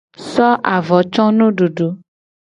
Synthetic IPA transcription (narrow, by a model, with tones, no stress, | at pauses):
sɔ˦ʔa˨vɔ˨˦t͡ʃɔ˦nõ˦ɖo˨ɖo˨˦